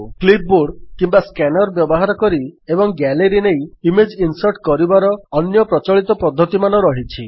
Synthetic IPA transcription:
klip̚ʰboɖkimbaskɛnɔɾbjɔbɔɦaɾɔkɔɾiebɔŋɡɛleɾinejimed͡ʒinsɔɾʈkɔɾibaɾɔːnjɔpɾɔt͡ʃɔɭit̪ɔpɔd̪ʱːɔt̪imanɔɾɔɦit͡ʃʰi

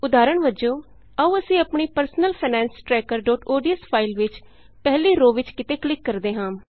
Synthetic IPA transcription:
ʊd̪aːɾəɳʋəd͡ʒõː | əũːəsĩːəpɳiːpəɾsnəlpʰiːnɛ̃ːnsʈɾɛːkəɾɖoːʈoːɖiəspʰaːɪlʋɪt͡ʃ | pɛːliːɾoːʋɪt͡ʃkɪt̪eːklɪkːəɾd̪eːɦãː

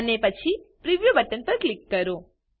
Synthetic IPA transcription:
ənepət͡ʃʰipɾiʋjubəʈənpəɾklikːəɾo

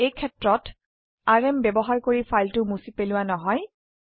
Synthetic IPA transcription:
ejkʰɛtɹɔt | aɹɛmbɛbɔɦaɹkoɹipʰajltʊmusipelʊwanɔɦɔj

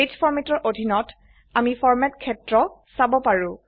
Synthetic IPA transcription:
etfʰɔɹmɛtɔɹʔodʱinɔt | amifʰɔɹmɛtkʰɛtɹɔsabɔpaɹũ

